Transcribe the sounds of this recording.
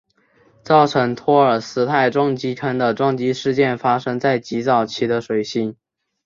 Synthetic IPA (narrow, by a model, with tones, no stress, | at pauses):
t͡sɑ˥˩ʊʈ͡ʂʰɤ˧˥ŋt̪ʰwɔ˥ə˞˨˩sɹ̩˧˥t̪ʰa˥˩ɪʈ͡ʂwɑ˥ŋt͡ɕi˧˥kʰə˥nd̪ə˨ʈ͡ʂwɑ˥ŋt͡ɕi˥ʂɻ̩˥˧t͡ɕjɛ˥˩nfa˥ʂɤ˥ŋt͡sa˥˩ɪt͡ɕi˧˥t͡sɑ˨˩ʊt͡ɕʰi˧˥d̪ə˧ʂwe˨˩ɪɕi˧˥ŋ